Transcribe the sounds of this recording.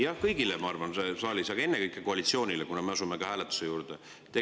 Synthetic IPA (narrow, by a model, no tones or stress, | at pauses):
jɑhkɤjɡilemɑɑrvɑnsesɑːlʲisɑɡ̥ɑe̞nːekɤjkːˑekoɑlit̪sio̞ːnʲilekunɑmeɑsumekɑhæːlet̪ːˑu̥se̞juːɾd̪̥e | t̪e